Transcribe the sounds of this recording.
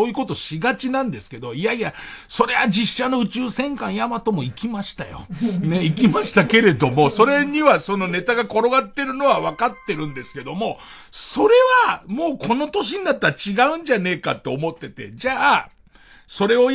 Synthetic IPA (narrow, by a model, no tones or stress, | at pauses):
oːjɯ̟ko̞t̪o̞ɕiɡat͡ɕinãnd̪e̞sɨ̥ke̞d̪o̞iaia | so̞ɾe̞βad͡ʑiɕːano̞ɯ̟t͡ɕɨːsẽ̞ŋkãɰ̃jamat̪o̞mo̞ikʲimaɕi̥t̪ajo̰ne̞ikʲimaɕi̥t̪ake̞ɾe̞d̪o̞mo̞so̞ɾe̞ɲ̟iβaso̞no̞ne̞t̪aɡako̞ɾo̞ɡat̪ːe̞ɾɯ̟no̞βaβakat̪ːe̞ɾɯ̟̃nd̪e̞sɨ̥ke̞d̪o̞mo̞ | so̞ɾe̞βamo̞ːkʰo̞no̞t̪o̞ɕ̬iɲ̟inat̪ːaɾat͡ɕiɡaɯ̟̃ɲd͡ʑane̞ːka̰t̪ːe̞ːmo̞t̪ːe̞t̪e̞̰d͡ʑaː | so̞ɾe̞o̞